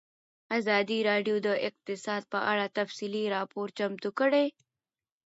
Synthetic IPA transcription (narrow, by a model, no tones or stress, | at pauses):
azɑːd̪iɾɑɖjod̪əʔɪq̚t̪ɪsɑːd̪̚pəʔaɽat̪ɐfsiliɾɑːpoːɾt͡ʃɐmt̪ukəɽe